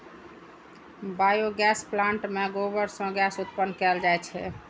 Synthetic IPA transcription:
bajoɡɛsplãɳʈmeɡobəɾsə̃ɡɛsut̪pənːkɛld͡ʒajt͡ʃʰɛ̰

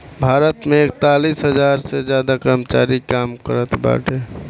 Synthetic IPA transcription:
bʱaɾət̪meek̚t̪alisɦəd͡ʒaɾsed͡ʒjad̪akəɾəmət͡ʃaɾikamkəɾət̪ʰba̰ʈʰe

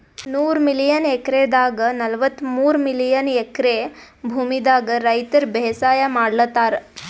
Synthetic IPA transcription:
nuːɾmilijɐnekɾeːd̪aːɡɐnɐlʋɐt̪ːmuːɾmilijɐnekɾe | bʱuːmid̪aːɡɐɾɐjt̪ɐɾbɛsaːjɐmaːɽlɐt̪ːaːɾɐ

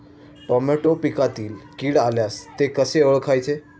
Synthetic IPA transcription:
ʈɔmeʈopikat̪iːlkiːɽaljast̪ekəseəɭkʰajt͡ɕʰe

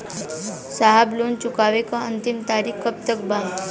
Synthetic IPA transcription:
saɦabluːnt͡ɕukaʋekaənt̪imt̪aɾiːkkːəp̚t̪ək̚baŋ

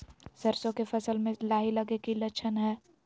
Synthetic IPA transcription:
sɐɾsõkefʰɐsəlmẽlaːɦilɐɡekilɐt͡ʃʰənɦɛː

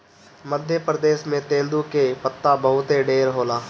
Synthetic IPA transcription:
məd̪ʱjəpɾəd̪eːʃmẽt̪ẽːnd̪ukepət̪ːabɐɦʊt̪ɦeɖeːɾɦoːlaː

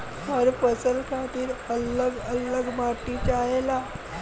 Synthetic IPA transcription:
həɾfəsəlkʰat̪iːɾələɡələɡmaʈːit͡ɕajela

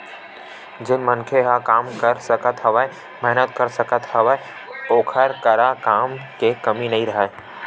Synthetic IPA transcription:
d͡ʒɪnmənkʰeɦakaːmkəɾsəkət̪ɦəʋae | mɛɦnət̪kəɾsəkət̪həʋa | oːkʰəɾkəɾakaːmkekɐminɐɦĩɾəɦə

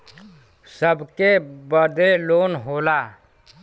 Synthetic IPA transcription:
səbkebəɾd̪eloːnɦoːlaː

